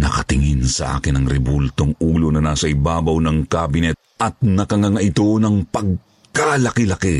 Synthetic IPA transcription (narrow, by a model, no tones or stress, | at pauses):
nɐkɐt̪ɪŋɪnsɐʔa̰ːkɪnɐŋɾɛbult̪oŋuːlo̞nɐnaːsɐʔɪbaːbɐwnɐŋkabɪnɛt̪̚ʔɐt̪̚nɐkɐŋɐŋaʔɪt̪o̞nɐŋpɐɡ̚ | kalɐkɪlɐke